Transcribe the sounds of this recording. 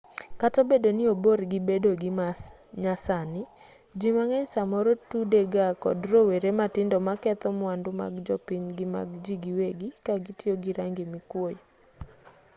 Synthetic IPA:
katobedonɪoboɾɡɪibedoɡɪma | ɲasanɪ | d͡ʒimaŋɛɲsamɔɾotudeɡakɔ̰droweɾematɪndɔmakɛt̪ɔmwandʊma̰ɡd͡ʒɔpɪɲɡɪma̰ɡd͡ʒiɡiweɡikaɡitɪɔɡɪɾaŋɡɪmɪkwoj

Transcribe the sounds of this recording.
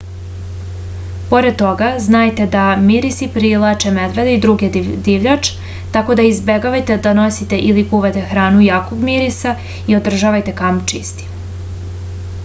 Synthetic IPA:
po̞ɾed̪̚t̪o̞ɡaznajt̪e̞d̪amiɾisipɾilˠat͡ʃeme̞d̪ʋe̞d̪eid̪ɾuɡed̪iʋʎat͡ʃ | t̪ako̞d̪aizbeɡaʋajt̪e̞d̪ano̞sit̪e̞ʔilikuʋat̪e̞xɾaːnujaːko̞ɡmiɾisa | io̞d̪r̩ʒaʋajt̪e̞kamt͡ʃist̪i̥

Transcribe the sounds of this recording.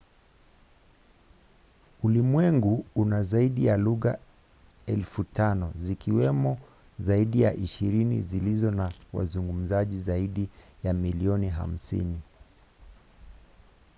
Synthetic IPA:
ulimwɛŋɡuunazaiɗijaluɣa | ɛlfutanɔzikiwɛmɔ | zaiɗijaʔiʃiɾinḭzilizɔnawa̰zuŋɡum̩zaʄizaiɗijamiliɔniɦa̰m̩sḭni

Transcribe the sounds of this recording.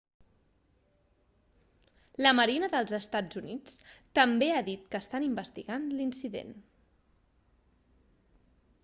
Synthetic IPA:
ləməɾinəðəlˠzəst̪ad͡zunit͡st̪əmbeaðit̪kəːst̪animbəst̪iɣanlinsiðḛn

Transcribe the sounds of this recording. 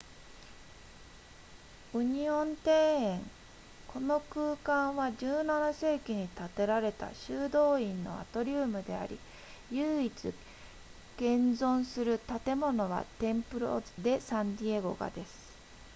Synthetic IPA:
ɯ̟ɲ̟iõ̞nt̪e̞ːẽŋ | kʰo̞no̞kɯːkãɰ̃βaʑɨːnanase̞ːkʲiɲ̟it̪at̪e̞ɾaɾe̞t̪a̰ɕɨːd̪o̞ːĩnːo̞̰a̰t̪o̞ɾʲɨːmɯ̟d̪e̞a̰ɾʲḭ | jɯːit͡sɨ | ɡ̥ẽ̞nd͡zõ̞ɰ̃sɨɾɯ̟t̪at̪e̞mo̞no̞βa̰t̪ẽ̞mpɯ̟ɾo̰d̪e̞sãɲd̪ʲieɡo̞̰ɡa̰d̪e̞sɨ̥

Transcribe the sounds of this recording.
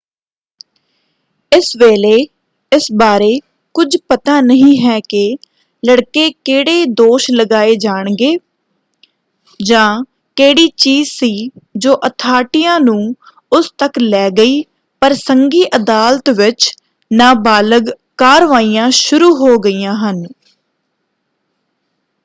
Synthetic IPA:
ɪsʋeːleː | ɪsbaːɾeː | kʊd͡ʒpət̪aːnəɦĩːɦɛːkɪ | ləɽkeːkeːɽeːd̪oːʃləɡaːeːd͡ʒaːɳ̃ɡeː | d͡ʒãː | keːɽiːt͡ʃiːzsiːd͡ʒoːʔət̪ʰaːʈɪjãːnũː | ʊst̪əklɛːɡəiː | pəɾsəŋɡiːʔəd̪aːlt̪ʋɪt͡ʃ | naːbaːləɡ | kaːɾʋaːiːjãːʃʊɾuːɦoːɡəiːjãːɦən

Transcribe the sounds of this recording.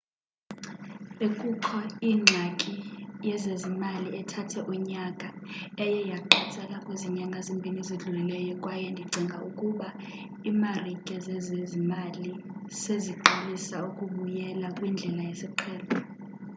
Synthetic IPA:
ekʼuǃʰɔiːŋ͡ǁʱakʼijɛzezimaliɛtʰatʰɛʔuɲakʼaɛjɛjaǃɛt͡sʼɛkʼakʼweziɲaŋɡʱazimbʱiniziɮulilɛjɔkʼwajɛndʱiɡ͡ǀʱiŋɡʱaʔukʼuɓa | iːmarikʼɛzɛzezimaliseziǃalisaukʼuɓujɛlakʼwind͡ɮʱɛlajɛsiǃʰɛːlɔ

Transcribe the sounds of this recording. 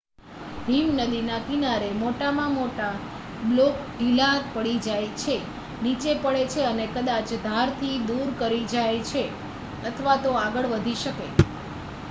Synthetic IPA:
bʱimnəd̪inakinaɾemoʈamãmoʈa | blokɖʱilat̪pəɭid͡ʒajt͡ʃʰe | nit͡ʃepəɭet͡ʃʰeənekəd̪at͡ʃd̪ʱaɾt̪ʰid̪uɾkəɾid͡ʒajt͡ʃʰe | ət̪ʰəʋat̪oaɡəɭʋəd̪ʱiʃəke

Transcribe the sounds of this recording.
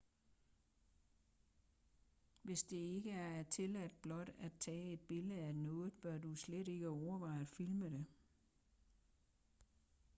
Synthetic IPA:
ʋe̝sd̥e̝e̝ɡ̥əæɐæt͡sʰe̝læd̥̚b̥lɒ̽d̥æt͡sʰɛ̰ːe̝d̥̚b̥e̝ləð̩ˠænɔ̽ːð̩ˠb̥ɶɐdusleɾe̝ɡ̥əɒʊɐʋɑ̈ɪfilməde

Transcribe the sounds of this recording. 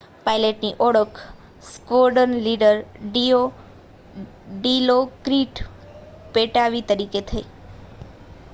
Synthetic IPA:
paileʈniʔɔɽəkʰ | skʋoɾɖənliɖəɾɖio | ɖilokɾiʈ | peʈaʋit̪əɾiket̪ʰəi

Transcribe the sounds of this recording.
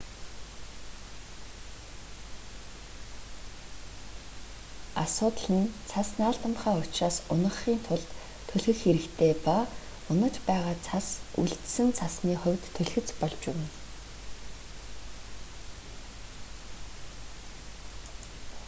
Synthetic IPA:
asʊːt̪ə̆ɮə̆nt͡sʰasnaːɮt̪ə̆mχæːʊt͡ɕraːsʊnə̆χːiːnt̪ʰʊɮt̪ʰː | ɵɮxɘ̆xxeɾɘ̆kt̪ʰeːpa | ʊnə̆t͡ɕpæːʁaːt͡sʰasṵɮt̪sɘ̆nt͡sʰasniːχʊ̟wʲt̪ʰːɵɮxɘ̆t͡spɔɮt͡ɕʊwɘ̆n

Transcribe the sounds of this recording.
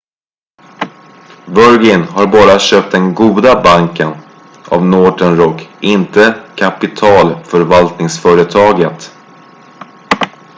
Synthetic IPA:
vœɾɡɪnɦaɾbɑːɾaɕøːp̚t̪̚d̪ɛnɡuːd̪abaŋkən | a̰vnoːɖənɾɔkːɪnt̪əkʰapɪt̪ʰɑːlfœɾvalt̪nɪŋsfœːɾət̪ʰɑːɡət̪

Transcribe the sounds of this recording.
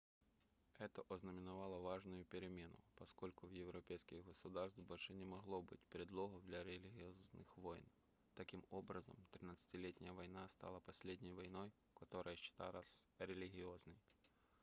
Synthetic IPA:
ɛt̪əʔɔznəmʲɪnɐvalˠəvaʐnʊjʊpʲɪɾʲɪmʲe̞nʊ̰pɐsko̞lʲkʊvjɪvɾɐpʲejskʲɪɣɡəsʊd̪arst̪bɐlʲʂɨnʲɪmɐɣlˠobɨ̰tʲpʲɾʲɪd̪lˠoɦɐd̪lʲɐɾʲɪlʲɪɣʲɪoznɨ̰xvoj̰n | t̪ɐkʲimo̞bɾəzə̰mt̪ɾʲɪnat̪sɨ̥tʲɪlʲetʲnʲɪjəvɐjnast̪ɑ̰lˠəpɐsʲlʲedʲnʲəjvɐjnoj | kɐt̪o̞ɾəjəɕːɪ̥t̪a̰lˠasɾʲɪlʲɪɣʲɪoznɨj

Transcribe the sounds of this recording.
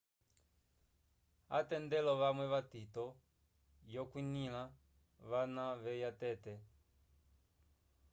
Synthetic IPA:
a̰tɛndɛlɔʋamwɛβatitɔ | jɔkwinila | βanaβɛjatɛtɛ

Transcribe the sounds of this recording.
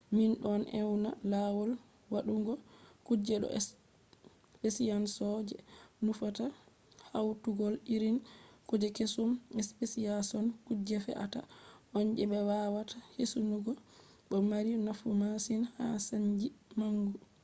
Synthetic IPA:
minɗɔnʔɛwna̰lawɔl | waɗuŋɡɔkud͡ʒɛɗɔ̰ɛs | pesijansɔd͡ʒɛ̰nufata | hawtuɡɔliɾinkud͡ʒɛkesumɛspesiasɔnkud͡ʒɛfɛ̰ʔa̰ta̰ʔɔnd͡ʒɛɓɛwawatʰahesunuɡɔ | ɗɔmaɾinafumasinha̰saɲd͡ʒimaŋɡu

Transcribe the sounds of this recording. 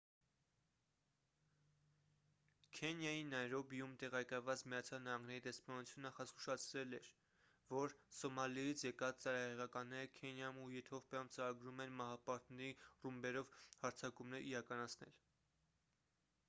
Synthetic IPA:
kʰɛnjɑjinɑjɾɔbijumt̪ɛʁɑjkɑjvɑt͡smijɑt͡sʰjɑlnɑɦɑŋɡnɛɾid̪ɛspɑnut͡sʰjunəχɑsku̥ʃɑt͡sʰɾɛlɛɾ | vɔɾsɔmɑlijit͡sʰjɛkɑt͡st͡sɑɾɑhɛʁɑkɑnːɛɾəkʰɛnjɑmujɛt̪ʰɔvpjɑmt͡səɾɑɡɾumɛnmɑɦɑpɑɾt̪nɛɾirumbɛɾɔvhɑɾt͡sʰɑkumnɛɾiɾɑkɑnɑt͡sʰnɛ̰l

